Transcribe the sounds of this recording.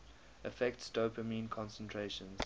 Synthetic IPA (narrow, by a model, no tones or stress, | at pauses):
ʔəfɛk̚tstoːpʰəmĩːnkʰɔ̃nsə̃ntʰɹeʃə̃nz̥